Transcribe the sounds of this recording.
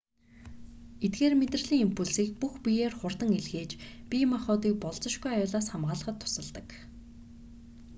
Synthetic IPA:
et̪̚ɡeːrmet̪rə̆ɮiːŋimpʰuɮsiːk̚puxpʲijeːrχʊrt̪ə̆ŋeɮxeːt͡ɕpʲimaχʊːt̪iːk̚pɔɮt͡sə̆ʃɡujajʊːɮaːsχamʁaːɮə̆χə̆t̪ʰːʊ̥sə̆ɮt̪ə̆k

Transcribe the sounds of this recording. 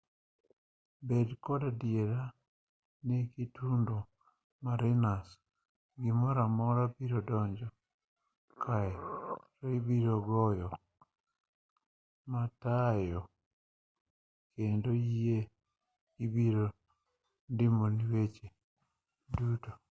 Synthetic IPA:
bedkodadieɾa | nekitundo | maɾinas | ɡimoɾamɔɾabiɾodɔɲd͡ʒɔ | kʰaeɾoibiɾoɡɔjɔ | matajɔ | kendoije | ibiɾo | ndimoniwet͡ʃe | duto

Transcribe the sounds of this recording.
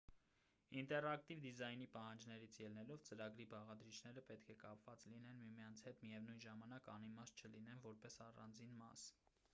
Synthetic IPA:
int̪ɛrɑkt̪ivd̪izɑjnipɑhɑnd͡ʒnɛɾit͡sʰjɛlnɛlɔvt͡səɾɑɡɾibɑʁɑd̪ɾit͡ʃʰnɛɾəpɛt̪kʰɛkɑpvɑt͡slinɛnmimjɑnt͡sʰhɛt̪mijɛvnujnʒɑmɑnɑkɑnimɑst͡ʃʰəlinɛnvɔɾpɛsɑrɑ̰nd͡zinmɑs

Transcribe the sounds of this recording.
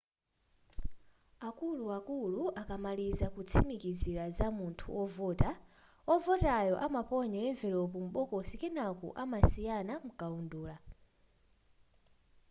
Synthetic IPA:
akuluakuluakamalizakut͡sʰimikiziɾazamuntʰṵʔɔvɔːta | ɔvɔtajɔʔamapɔɲaɛɱvɛlɔpum̩ɓɔkɔsikɛnakṵʔamasijanamukaunduːla

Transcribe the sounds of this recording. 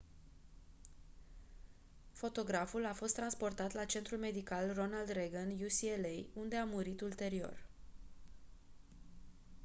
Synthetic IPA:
fo̞t̪o̞ɡɾafulafo̞st̪ːɾanspo̞rt̪at̪lat͡ʃe̞nt̪ɾulme̞d̪ikalro̞nald̪reɡənjusielejund̪e̞amuɾit̪ult̪e̞ɾio̞̰r

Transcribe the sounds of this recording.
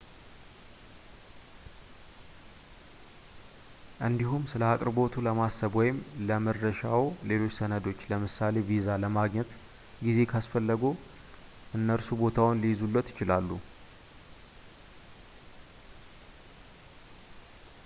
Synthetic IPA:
ʔɨnd̪iɦumsɨləakʼɾɨbo̞t̪ʰuləmasːəβwɔjɪmləməd̪ɾəʃawle̞lo̞t͡ʃːsənəd̪o̞t͡ʃːləmɨsale̞vizaləmaɡɲɛt̪ | ɡize̞kʰasfəlːəɡu | ʔɨnːəɾsubo̞t̪ʰawʊnlizulːət̪jɪt͡ʃɪlalːu

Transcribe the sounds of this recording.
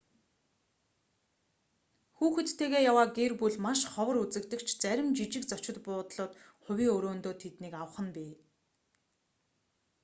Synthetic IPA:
xuːxɘ̆t̪ʰːeːɣeːjawaːɡerpuɮmaʃχɔwə̆ɾut͡sɘ̆kt̪ə̆kt͡ɕʰt͡sæɾʲɪ̆mt͡ɕit͡ɕɪ̆kt͡sɔt͡ɕɪ̆t̪pʊːt̪ɮʊːt̪ | χʊwʲiːŋɵɾoːnt̪oːt̪ʰet̪niːkawə̆χə̆npiː

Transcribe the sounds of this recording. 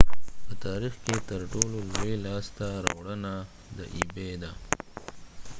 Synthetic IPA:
pət̪ɑɾixket̪əɾʈololuelɑst̪aɾɑ̰wɽəna | d̪ə̰ʔibed̪a

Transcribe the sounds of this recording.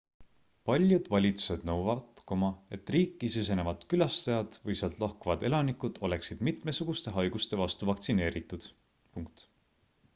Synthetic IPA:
pɑlʲjud̪̥vɑlʲit̪u̥se̞d̪̥nɤwvɑvɑt̪komɑe̞t̪ːˑriːkˑːises̬e̞nevɑt̪kylɑst̪ɑjɑd̪̥vɤjseɑlt̪ˑlɑhkuvɑd̪̥e̞lɑnikud̪̥o̞le̞ksid̪̥mit̪me̞suɡ̥ust̪e̞ɦɑjɡ̥ust̪e̞vɑst̪uvɑkt̪sine̞ːɾit̪ːˑud̪̥ | puŋk̚t̪

